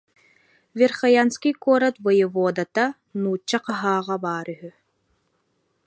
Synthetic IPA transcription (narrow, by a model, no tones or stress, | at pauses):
vʲeɾχajanskikɔːɾat̪vɯjɯvɔːd̪at̪a | nuːt͡ɕːaqaɦaːʁabaːɾyɦy